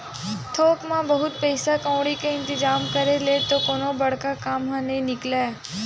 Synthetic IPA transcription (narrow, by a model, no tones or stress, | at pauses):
t̪ʰoːkmãbəɦʊt̪pəjsakə̃ʋɽikẽɪ̃nt̪ɪzaːmkəɾelet̪okoːnobəɽ̤kakaːmɦənẽnɪkla